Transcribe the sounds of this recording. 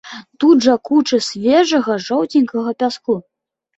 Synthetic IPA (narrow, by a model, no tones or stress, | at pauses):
t̪ud̪ʐɐkut͡ʂɨsʲvʲɛʐɐɣɐʐɔwt͡sʲinʲkɐɣɐpʲasku